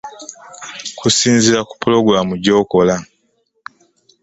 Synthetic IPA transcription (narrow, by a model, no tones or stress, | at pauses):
kʰusiːnziɾaku̥pulo̞ɡɾamuɟo̞ːko̞la